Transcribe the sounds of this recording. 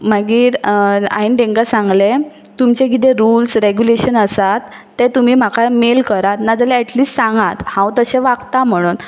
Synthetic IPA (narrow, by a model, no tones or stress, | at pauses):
m̤əɡiːɾa̰inɖẽŋɡasãŋɡle | t̪umt͡ɕekit̪̬ẽɾulsɾeɡjuleɕənəsat̪ː | et̪um̤iːm̤akʰamelkəɾat̪nad͡zəleɛʈliːsʈsãŋɡat̪hãwt̪əɕẽʋakt̪am̤əɽ̃uːn